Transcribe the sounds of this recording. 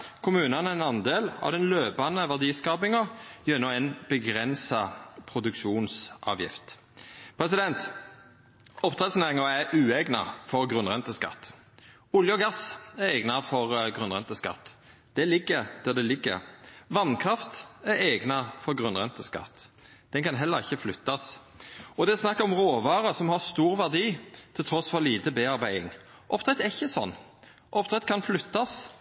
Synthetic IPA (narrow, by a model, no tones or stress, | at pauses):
kʰʊmʉːnɑnəɛnɑnd̪eːlɑ̰ʋd̪ɛnløːpɑnəʋæʁd̪iːskɑːbɪŋɔjɛnːɔmɛnbəɡɾɛnsɑpʰɾʊd̪ʉkʃuːnsʔɑ̰ːʋjɪ̰ft̪ | pʰɾɛs̬ɪd̪ɛnt̪ | ɔpt̪ʰɾɛt̪sneːʁɪŋɑæʔʉːɛɡnɑ̰fɔɾɡɾʉnʁɛnt̪əskɑ̰t̪ː | ʊljəɔɡɑsæɾɛːɡnɑfɔʁɡʁʉnʁɛnt̪əskɑ̰t̪ː | d̪̥ɛlɪɡːəɾd̪̥æd̪ɛlɪɡːə̰ɾʋɑnkʰɾɑft̪æɾɛːɡnɑfɔɾɡʁʉnʁɛnt̪əskɑ̰t̪ː | d̪̥ɛnkʰɑnɦɛlːəɾʁɪçːəflʏt̪ːɑs | ɔd̪ɛsnɑkːɔmɾoːʋɑːɾəsɔmhɑst̪uːɾʋæʁd̪iːt̪ʰɪlt̪ʰɾɔsfɔliːt̪əbeːɑɾbæɪɪŋ | ʔɔpt̪ɾɛt̪ːæɾɪçːəsɔ̰nː | ʔɔpt̪ʁɛt̪kʰɑnflʏt̪ːɑs